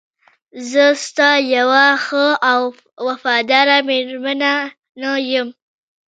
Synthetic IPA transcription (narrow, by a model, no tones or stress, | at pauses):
zəst̪ɑjawaxəaw | wafɑd̪ɑɾameɾmana | najəm